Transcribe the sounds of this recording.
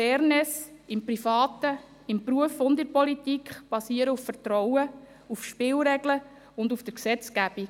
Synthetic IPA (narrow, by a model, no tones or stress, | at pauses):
ɛːɾnɛsɪmprifɑːt̪ə | ɪmpɾuəfʊndɪrpɔlitikχb̥ɑsiːəɾəuffəɾtɾɔwə | ufʃpɪːlɾɛɡlə | ʊndufd̥əɾksɛt͡skæb̥i